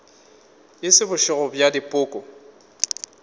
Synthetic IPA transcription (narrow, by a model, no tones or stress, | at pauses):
ɪsɪbʊʃɪɣɔbjadɪpʼʊːkʼɔ